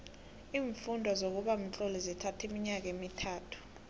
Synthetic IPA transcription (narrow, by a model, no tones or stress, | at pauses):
iːɱfundʱwazok̬uɓam̩t͡ɬʼɔlɛzɛtʰatʰemiɲak̬emitʰaːtʰu̥